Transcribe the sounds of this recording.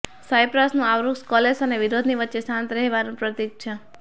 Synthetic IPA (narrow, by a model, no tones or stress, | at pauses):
sajpɾasnũaʋɾuɡskɔlesəneʋiɾod̪ʱniʋətːʃesãnt̪ɾɛɦʋanũpɾət̪iɡ̚t͡ʃʰe